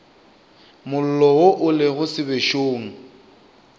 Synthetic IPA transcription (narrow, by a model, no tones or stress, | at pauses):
mʊl̩lɔʊʔʊlɪɣʊsɪbeʃoːŋ̩